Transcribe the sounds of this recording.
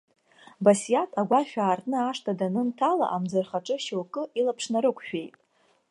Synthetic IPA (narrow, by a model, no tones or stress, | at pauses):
basjatʰaɡʷaʃᶣaːrtʼnɨaʂtʰadanɨntʰala̰ʔamd͡zɨrχaʈ͡ʂʼɨʃowkʼɨilapʰʂnaɾɨkʷʰʼʃᶣe̞jtʼ